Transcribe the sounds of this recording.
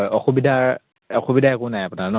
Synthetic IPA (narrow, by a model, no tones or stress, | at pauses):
jɔxubidʱaɹ | ɔxubidʱaɛkʊnajapʊnaɹnɔ